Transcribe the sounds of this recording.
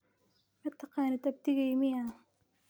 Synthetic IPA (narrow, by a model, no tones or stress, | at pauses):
kʰɐt̪ʰɑqɑːnɐt̪ɐb̚t̪ɪɣɐjmɪja